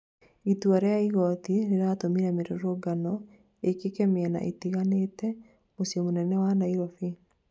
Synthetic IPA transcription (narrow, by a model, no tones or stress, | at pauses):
ituaɾɛaiɣɔt̪iɾeɾatomiɾɛmeɾoɾoɡanɔ | ekekɛmeɛna̰ʔḭtiɣanetɛ | mosiɔmonɛnɛwanaiɾɔfi